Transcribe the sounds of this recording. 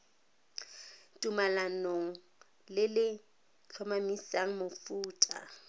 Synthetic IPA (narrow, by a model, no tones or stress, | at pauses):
tʼumalanoŋ̩ | lɪlɪ | t͡ɬʰɔmamisaŋ̩mofuːtʼa̰